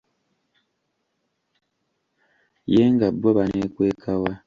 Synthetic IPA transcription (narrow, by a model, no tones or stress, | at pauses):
jeŋɡabːoβanekweːkʰawa